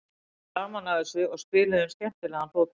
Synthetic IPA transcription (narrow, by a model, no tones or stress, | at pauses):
aɣmanaɣðɪsʏɔɣspɪːlɪðʏmscɛm̥t̪ɪlɛːɣanfoːw